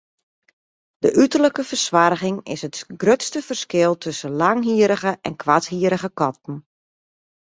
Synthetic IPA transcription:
d̥əʔytərləkəfərswarɣɪŋɪ̰sətɡrøtstəfərskɪlˠtʰɵsəlaŋɦiəɾəɣəʔɛnkʰʋathiəɾəɣəkɔt̚n̩

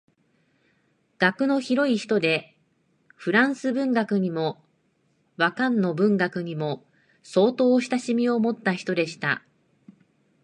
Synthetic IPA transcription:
ɡ̥akɯ̟no̞çiɾo̞içi̥t̪o̞d̪e̞ | ɸɯ̟ɾãɰ̃sɨbɯ̟̃ŋɡakɯ̟ɲ̟imo̞ | βakãnːo̞bɯ̟̃ŋɡakɯ̟ɲ̟imo̞ | so̞ːt̪o̞ːɕi̥t̪aɕimʲio̞mo̞t̪ːaçi̥t̪o̞d̪e̞ɕi̥t̪a̰

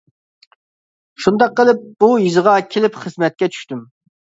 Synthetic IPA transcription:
ʃund̪ɑqːəlˠɪp̚b̥ujizɨʁɑkʲʰelɪpχəzmɛt̪̚kʲɛt͡ʃʰy̥ʃt̪ym

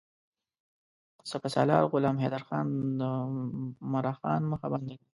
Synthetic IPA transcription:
sapasɑ̰lɑ̰ːɾɣʊlɑːmɦed̪aɾxɑnd̪ə | maɾɑxɑ̰nməxabɑnd̪aɡi

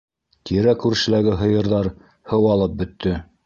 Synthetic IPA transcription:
t̪iɾækʉɾʃɘ̆læɡɘɦɤ̆jɤ̆ɾðɑɾ | hɤwɑlˠɤp̚bɵ̆t̪ʰːɘ

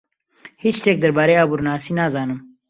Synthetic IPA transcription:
hit͡ʃt̪ek̚d̪ɐɾbaːɾeaːbuɾnaːsinazɑːnɨm

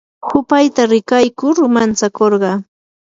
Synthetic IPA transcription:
hʊpajt̪aɾɪkajkʊɾmant͡sakoɾɢɑ

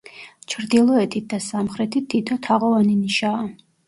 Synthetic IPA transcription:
t͡ʃʰɾd̪ilˠɔɛt̪ʰit̪̚d̪asamχɾɛt̪ʰit̪ʰːit̪ʰɔt̪ʰaʁɔvaniniʃaː

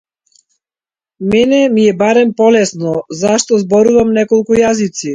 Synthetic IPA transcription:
mɛnɛmiɛbaɾɛmpɔlɛsnɔzaʃt̪ɔzbɔɾuvamnɛkɔlˠkujazit̪si

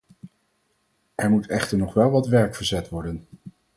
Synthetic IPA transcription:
ʔɛɹmutɛχtəɹnɔχʋɛlˠʋɑtʋɛɹkfəɹzɛtʋɔɹdən

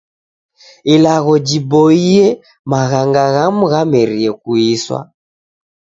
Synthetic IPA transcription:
ilaɣɔd͡ʒibɔiɛ | maɣaŋɡaɣamuɣamɛɾiɛkuiswa̰

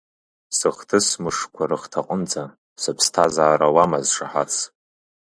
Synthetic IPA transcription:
sɨχtʰɨsmɨʂkʷʰaɾɨχtʰaqʼənd͡zʰʼa | sɨpʰstʰazaːɾawamazʂaħa̰t͡sʰ

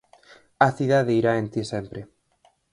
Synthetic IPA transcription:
ɐθiðaðeiɾaent̪isempɾe

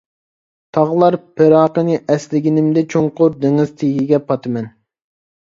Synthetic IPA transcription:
t̪ʰɑʁlˠɑɾpʰeɾɑːqənɨʔɛslɪɡʲinɪmd̪ɛt͡ʃʰoŋqʊɾd̪eŋɪz̥t̪ʰeɡʲiɡʲɛpʰɑt̪ʰɨmɛn

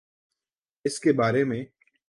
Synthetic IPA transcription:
ɪskebaːɾemẽ

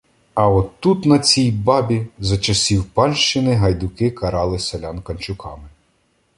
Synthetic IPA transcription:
ɐɔt̪ːut̪nɐt͡sʲijbɑbʲizɐt͡ʃɐsʲiwpɑnʃt͡ʃɪnɪɦɐjd̪ʊkɪkɐɾɑlˠɪselʲɑnkɐnʲt͡ʃʊkɑmɪ

